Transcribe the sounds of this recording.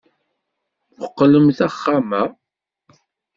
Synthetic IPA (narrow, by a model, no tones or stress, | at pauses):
əqːləmθæχːamæ